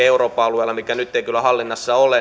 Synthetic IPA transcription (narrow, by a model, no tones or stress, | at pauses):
euroːpɑɑluelːɑmikːænyt̪ːeikylːˑæhɑlːinːɑsːɑole